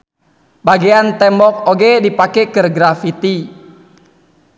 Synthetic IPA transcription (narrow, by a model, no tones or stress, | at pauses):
baɡeant̪ɛmbɔk̚oɡɛdipakɛkɨrɡɾafit̪i